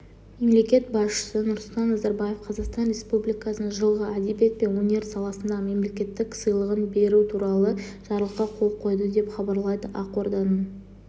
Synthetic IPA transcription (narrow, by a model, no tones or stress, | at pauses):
me̞mle̞kʲe̞t̪̚bɑsʃə̥sənʊɾsʊlˠt̪ɑnːɑzaɾbaje̞fqʰɑzɑqst̪ɑnɾʲe̞spublijkɑsənəʒəlˠʁəæd̪ebe̞t̪̚pe̞nwonʲe̞ɾsɑlˠɑsənd̪ɑme̞mle̞kʲe̞t̪ːɪksəjlˠəʁənbe̞ɾut̪ʰuɾɑlˠəʒ̥ɑɾəlˠəqːɑqʰo̞lˠqʰo̞jd̪əd̪e̞pχɑbɑɾlˠɑjd̪əʔɑqo̞ɾd̪ɑnu